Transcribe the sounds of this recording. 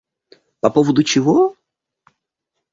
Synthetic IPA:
pɐpovəd̪ʊt͡ɕɪvo

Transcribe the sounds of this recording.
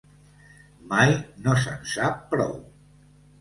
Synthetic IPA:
majnosə̰nsapːɾɔ̰w

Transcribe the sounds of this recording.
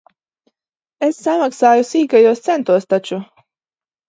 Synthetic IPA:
esːamaksaːjusiːɡajuɔst̪sɛnt̪uɔst̪at͡ʃu

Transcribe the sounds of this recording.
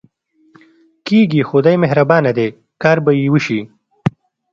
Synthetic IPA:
kiɡixʊd̪ajmeɦɾabɑːnad̪eː | kɑːɾbajiwəʃi

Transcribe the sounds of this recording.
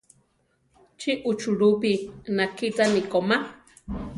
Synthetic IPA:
t͡ʃʰiʔut͡ʃʰuɺupinakʰit͡sanikoma

